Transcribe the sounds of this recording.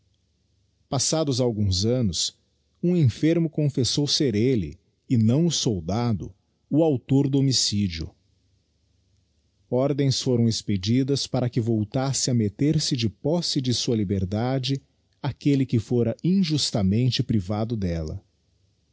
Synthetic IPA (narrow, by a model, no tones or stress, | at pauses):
pasad̪ʊzawɡũzɐ̃nʊs | ũẽfeɾmʊkõfesowseɾelɪ̰ | ɪnɐ̃w̃ʊsowd̪ad̪ʊ̰ | ʊawt̪oɾd̪ʊomisid͡ʒiʊ̰ | ɔɾd̪ẽj̃sfoɾɐ̃w̃ɪsped͡ʒid̪ɐspaɾɐkɪvowt̪asɪɐmet̪eɾsɪd͡ʒɪpɔsɪd͡ʒɪsuɐlibeɾd̪ad͡ʒɪ | akelɪkɪfoɾɐĩʒust̪ɐmẽnt͡ʃɪpɾivad̪ʊd̪ɛlɐ̰